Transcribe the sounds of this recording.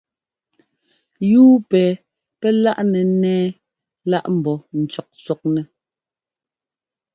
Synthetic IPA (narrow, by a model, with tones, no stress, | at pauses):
juː˦pɛː˨ | pɛ˦la˦ʔnɛ˨nɛː˦ | la˦ʔm̩˨bɔ˨n̩˨t͡ʃɔ˨k̚sɔ˨k̚nɛ˨